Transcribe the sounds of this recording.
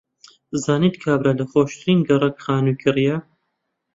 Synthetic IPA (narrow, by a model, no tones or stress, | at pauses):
zaːnit̪kʰaːbɾaːlɐχoːʃt̪ʰɨɾiːnɡɐrˤɐkχaːnukʲʰɨrja